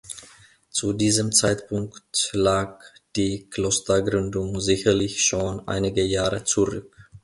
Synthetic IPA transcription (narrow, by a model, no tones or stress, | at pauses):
t͡sudiːzəmt͡saɪtpʰʊŋktlaːk̚d̥iːkʰl̥ostɐɡʁʏndʊŋzɪçɐlɪçʃoːnʔa̰ɪnɪɡəjaːʁət͡suʁʏk